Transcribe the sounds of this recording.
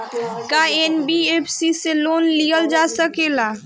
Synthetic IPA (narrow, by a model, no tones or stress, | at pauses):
kaenbieːpʰsiseloːnlijəld͡ʒasəkeːla